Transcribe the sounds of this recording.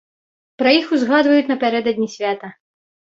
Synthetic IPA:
pɾɐjixuzɣad̪vɐjut͡sʲnɐpʲaɾɛd̪ɐd̪ʲnʲisʲvʲat̪ɐ

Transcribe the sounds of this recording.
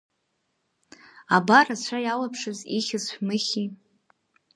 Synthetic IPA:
abarat͡ɕʷʰajalapʰʂɨziχʲɪzħʷᶣmɨχʲi

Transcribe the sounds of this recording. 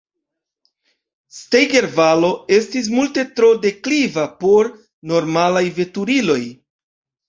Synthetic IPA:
stejɡe̞ɾvalo̞e̞stis̬multe̞tɾo̞de̞klivapo̞ɾ | no̞ɾmalajve̞tuɾilo̞j

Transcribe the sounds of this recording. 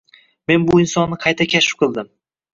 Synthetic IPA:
me̞nbʊɪnsɒnːɪqʰɑjt̪ʰakʲʰaʃɪ̥p̚qʰɨlˠd̪ɪm

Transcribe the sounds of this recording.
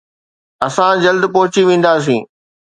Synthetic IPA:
ɐsãd͡ʑɐld̪pɔɦʊt͡ɕiʋẽːn̆d̪aːs̬ĩː

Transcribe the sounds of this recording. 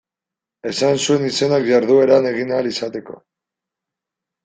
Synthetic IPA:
e̞sansue̞nise̞nakʝaɾðue̞ɾane̞ɣinalisat̪e̞ko̞̰

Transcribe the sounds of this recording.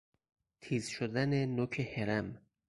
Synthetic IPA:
t̪ʰiːzʃod̪ænenokʰeheɾæm

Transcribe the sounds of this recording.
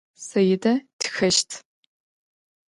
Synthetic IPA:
sɐjɪdɐtʰxɐʃtʰ

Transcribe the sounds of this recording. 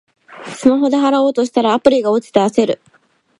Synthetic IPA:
sɨmaɦo̞d̪e̞ɦaɾao̞ːt̪oɕi̥t̪aɾaːpɯ̟ɾʲiɡao̞t͡ɕi̥t̪ease̞ɾɯ̟

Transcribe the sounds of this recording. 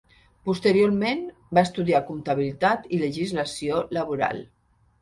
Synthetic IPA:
pust̪əɾioɾmen | baest̪uðiakunt̪aβ̞ilit̪at̪iləʒizləsioləβuɾa̰lˠ

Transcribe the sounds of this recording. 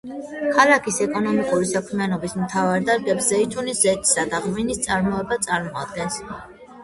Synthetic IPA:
kʰalakʰisɛkʼɔnɔmikʼuɾisakʰmianɔbismt̪ʰavaɾd̪aɾɡɛpszɛit̪ʰuniszɛt̪ʰʼi̥sad̪aʁminist̪sʼaɾmɔɛbat̪sʼaɾmɔad̪̚ɡɛns

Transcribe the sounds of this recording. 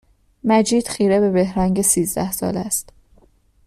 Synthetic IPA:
mæd͡ʒiːd̪̥xiːɾebe̞be̞hɾæŋɟesiːzd̪æ̰hsɒ̰ːlæst̪

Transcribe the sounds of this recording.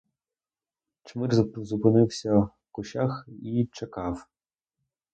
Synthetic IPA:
t͡ʃmɪrzʊpɪnɪwsʲɐ | kʊʃʲaxit͡ʃɐkɑw

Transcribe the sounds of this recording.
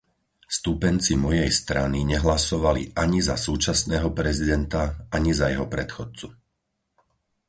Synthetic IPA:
st̪upɛnt͡simɔjɛjst̪ɾaniɲɛɦlasɔʋaliʔaɲizasuːt͡ʃasnɛːɦɔpɾɛzid̪ɛnt̪aaɲizajɛɦɔpɾɛt̪xɔt͡su

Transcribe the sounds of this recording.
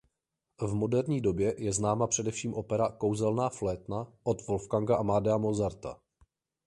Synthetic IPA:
vmo̞dɛɾɲiːdo̞bjɛjɛznaːmapr̥ɛdɛfʃiːmʔo̞pɛɾako̞wzɛlnaːflɛːt̪naʔo̞t̪vo̞lfkaŋɡaʔamaːdɛamozaɾt̪a̰

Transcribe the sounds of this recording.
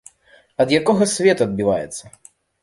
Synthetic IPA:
ɐd̪jakɔɣɐsʲvʲɛt̪ɐd̪̚bʲivajɛt̪sːɐ

